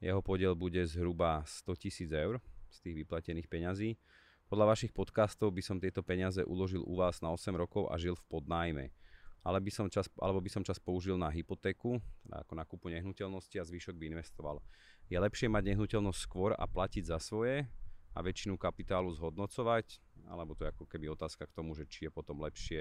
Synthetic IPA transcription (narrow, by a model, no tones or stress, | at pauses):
jɛ̰ɦɔpɔɟɪɛlbuɟɛzɦɾubast̪ɔcisiːd͡zɛʊɾst̪iːɣʋiplacɛniːxpɛɲaziː | pɔd̪ʎaʋaʃixpɔt̪kaːst̪ɔʊbisɔmt̪ɪɛt̪ɔpɛɲɪazɛʔṵlɔʒilṵʋaːznaɔsɛmɾɔkɔʊʔa̰ʒilfpɔd̪naːjmɛ̰ʔalɛbisɔmt͡ʃasʔa̰lɛbɔbisɔmt͡ʃaspɔuʒilnaɦipɔt̪ɛːkut̪ɛd̪a̰a̰kɔnakupuɲɛɦnucɛlnɔsciazʋiːʃɔɡ̚biinʋɛst̪ɔʋa̰l | jɛlɛpʃɪɛmaɟɲɛɦnucɛlnɔstʲcskʋɔɾa̰placiɟzasʋɔjɛa̰ʋɛt͡ʃinukapit̪aːluzɦɔd̪nɔt͡sɔʋac | a̰lɛbɔt̪ɔjɛakɔkɛbiɔt̪aːskakt̪ɔmuʒɛt͡ʃijɛpɔt̪ɔmlɛpʃɪɛ